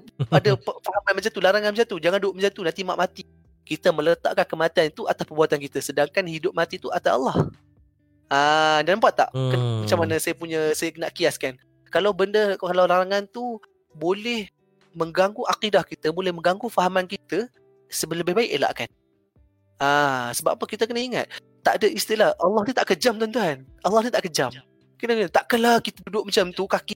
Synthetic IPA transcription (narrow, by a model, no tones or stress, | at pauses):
adəfaɦamanmat͡ʃant̪ulaɾaŋanmat͡ʃat̪ud͡ʒaŋanduoʔmət͡ʃant̪unant̪imaʔmat̪i | kit̪əmə̃lət̪a̰ʔkankəmat̪iant̪uʔat̪aspəbuat̪ankit̪əsədaŋkanhidʊp̚mat̪it̪uat̪aa̰lɑh | ədanambaʔt̪a̰ʔkamat͡ʃamanəsajapuɲə̃sajakənaʔkiaskan | kalawbəndəkalawlaɾaŋant̪u | bolɛh | mə̃ŋɡaŋɡuʔaqidahkit̪əbolɛhməŋɡaŋɡufaɦamankit̪ə | səbələbɪɦbaɪʔela̰ʔkan | asəbapapəkit̪əkənəiŋa̰t̪̚ː | a̰ʔdəist̪ilahʔalːɑht̪ut̪aʔkəd͡ʒamt̪ont̪uanʔalːɑhnit̪aʔkəd͡ʒam | kənəkənət̪aʔkənlakit̪ədudʊʔ̚mat͡ʃamt̪ukaki